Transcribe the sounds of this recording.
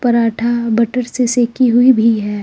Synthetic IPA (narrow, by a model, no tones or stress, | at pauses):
pɐɾaːʈʰabɐʈəɾseseːkiɦʊibʱiɦɛː